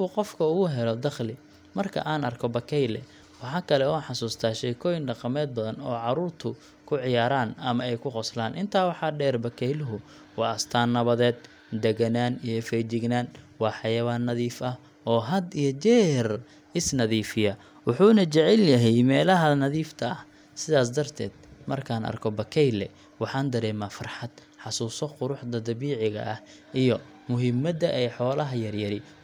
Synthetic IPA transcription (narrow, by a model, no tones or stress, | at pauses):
ʊqɔfkʰɐʊɣʊɦɛlɔd̪ɑχlɪ | mɐrkʰɐ̰ʔaːnɐrkʰɔbɐkʰɛjlɛ | wɑħɑːkʰɐlɛɔːħɑsuːst̪ʰaːʃɛːkʰɔːjɪnɖɑqɑmɛːd̪̚bɐðɐnɔːʕɑɾuːrt̪ʰʊ | kʰʊʕɪjaːɾaːnɐmɐɛjkʰʊqɔslaːnʔɪnt̪ʰaːwɑħɑːɖɛːrbɐkʰɛjlʊɦʊ | wɑːɐst̪ʰaːnːɐβɐðɛːd̪̚ | d̪ɛɣɐnaːnijɔfɛjt͡ʃɪɡnaːnwɑːħɑjɐβaːnːɐðiːfɐh | ɔːɦɐd̪ijɔt͡ʃɛːhr | ɪsnɐðiːfɪjɐ | wɑħuːnɐt͡ʃɐʕɛljɐɦɛjmɛːlɐɦɐnɐðiːft̪ʰɐɐh | sɪðaːs̬d̪ɐrt̪ʰɛːd̪̥mɐrkʰaːnʔɐ̰rkʰɔbɐkʰɛjlɛ̰ | wɑħɑːnd̪ɐɾɛːmaːfɐrħɑd̪̥ | ħɑsuːsɔqʊɾʊħd̪ɐd̪ɐβiːʕɪɣɐ̰ʔɐh | ʔijɔ | mʊɦɪmɐd̪ɐʔɛjħɔːlɐɦɐjɐrjɐɾɪ